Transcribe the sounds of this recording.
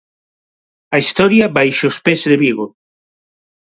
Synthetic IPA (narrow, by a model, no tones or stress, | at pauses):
ɐist̪ɔɾjɐbajʃospezðeβiɣo